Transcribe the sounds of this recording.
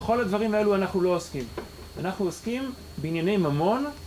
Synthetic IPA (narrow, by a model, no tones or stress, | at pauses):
χo̞lad̪vaʁimae̞luanaχnulo̞oskim | anaχnuoskim | beinjane̞jmamo̞n